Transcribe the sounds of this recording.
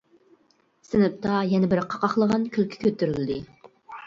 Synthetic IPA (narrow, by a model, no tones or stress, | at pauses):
sɪnɪp̚t̪ʰɑjɛnɛbɪɾqʰɑqɑχlˠəʁɑnkʲʰylkʲʰi̥kʲøt̪ʰːyɾyld̪ɪ